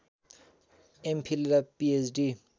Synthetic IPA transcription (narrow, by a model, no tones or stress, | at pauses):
empʰilɾapiesɖi